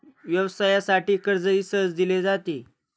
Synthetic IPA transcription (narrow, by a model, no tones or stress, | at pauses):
ʋjəʋsajasaʈiːkəɾd͡zəisət͡sd̪iled͡zat̪iː